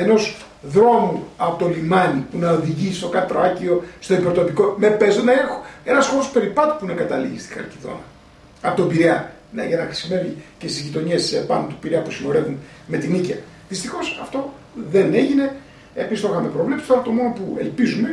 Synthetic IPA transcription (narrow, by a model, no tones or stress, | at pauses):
e̞no̞s | ðɾo̞muɐpot̪olimɐnipunɐoðiʝist̪o̞kɐt̪ɾoɐcio̞st̪o̞ipeɾt̪o̞piko̞me̞pezonɐexo̥e̞nɐsxo̞ɾospe̞ɾipɐt̪u̥puineɡɐt̪ɐlḭʝḭst̪i̥xɐ̰ɾciðo̞̰nɐ | ɐpot̪obiɾiɐ | nɐ̰ʝɐnɐxɾi̥sime̞vice̞st̪izʝit̪o̞ɲesːepɐnot̪upiɾiɐpusino̞ɾe̞vun | me̞t̪inicɐ | ðist̪ixo̞sɐft̪o̞ | ðene̞ʝine̞ | epist̪o̞xɐme̞pɾo̞vle̞psi̥t̪ɐɾɐot̪o̞mo̞no̞pue̞̰lpizume̞